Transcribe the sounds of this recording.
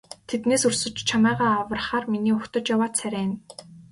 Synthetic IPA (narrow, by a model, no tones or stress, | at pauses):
t̪ʰet̪neːsɵrsɵ̆t͡ɕt͡ɕʰamæːʁaːawə̆rχaːrminiːɵxt̪ə̆t͡ɕjawaːt̪t͡sʰæɾʲæːn